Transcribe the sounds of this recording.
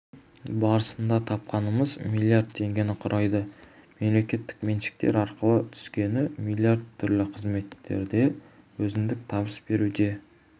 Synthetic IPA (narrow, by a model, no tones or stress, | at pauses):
bɑɾəsənd̪ɑt̪ʰɑp̚qɑnəməzmilʲˠjaɾd̪̚t̪ʰe̞ŋɡʲenɪqʰʊɾʔɑjd̪əme̞mle̞kʲe̞t̪ːɪ̥kmenʃɪ̥k̚t̪e̞̰ɾɑɾqəlˠət̪ʰʏ̥skʲe̞nɪmilˠijaɾd̪t̪ʰːʏɾlɪqʰəzme̞t̪ːe̞̰ɾd̪e̞ | wɵzɪmd̪ɪk̚t̪ʰɑbəsb̥e̞ɾud̪e̞